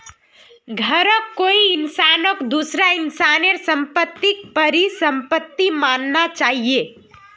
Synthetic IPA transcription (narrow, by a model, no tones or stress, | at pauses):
ɡʱəɾəkːoiːnsanokd̪usɾainsaneɾsəmpət̪ːik̚pəɾisəmpət̪ːimannat͡ʃaːɦie